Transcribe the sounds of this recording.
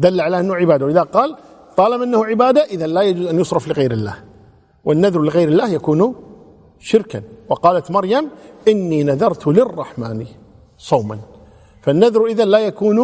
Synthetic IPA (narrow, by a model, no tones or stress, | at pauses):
d̪alːaʕalaːʔɪnːʊʕɪbaːd̪awʔɪðaqɑːl | t̪ˤɑːlɑbmʔɪnːahʊʕɪbaːd̪aʔɪðanlaːjad͡ʒuːzʔanjʊsˤɾˤɑflɪɣajɾɪlːa̰ːh | wɪnːaðɾˤlɪɣajɾɪlːaːhjakuːn | ʃɪɾkanwɑqɑːlat̪mɑɾˤjamʔɪnːiːnaðɑɾˤt̪lɪrˤːɑħmaːni | sˤɑwma̰n | fanːaðɾʔɪðanlaːjakuːn